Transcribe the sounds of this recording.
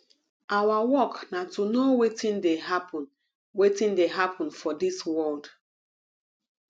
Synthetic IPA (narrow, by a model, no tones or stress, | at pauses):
ʔawawɔknatʰunowetĩndeɦapʰɔ̃n | wetĩndeɦapʰɔ̃nfɔdiswɔld